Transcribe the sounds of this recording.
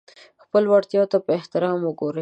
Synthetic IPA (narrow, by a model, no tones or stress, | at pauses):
xpəlwaɽt̪jɑt̪apəɪht̪ɪɾɑmwəɡoɾe